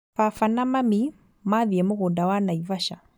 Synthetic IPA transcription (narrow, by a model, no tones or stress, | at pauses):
fafanamami | maðjemuɣudawanaivaʃa̰